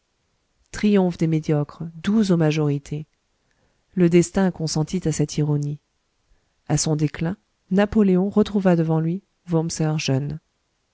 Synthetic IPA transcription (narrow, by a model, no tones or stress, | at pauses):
t̪χijɔ̃fd̪emed̪jɔkχd̪uzomaʒɔʁit̪ʰe | ləd̪ɛst̪ɛ̃kɔ̃sɑ̃t̪ʰit̪asɛt̪ʰiʁɔni | asɔ̃d̪eklɛ̃ | napɔleɔ̃ʁət̪χuvad̪əvɑ̃lɥi | vumsœʁʒœn